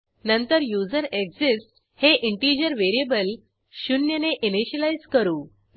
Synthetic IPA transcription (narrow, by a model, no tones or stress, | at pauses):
nənt̪əɾjud͡zəɾekd͡zisʈ | heʔiɳʈid͡ʑəɾʋeɾiebəl | ɕunjəneʔiniɕəlajzkəɾuː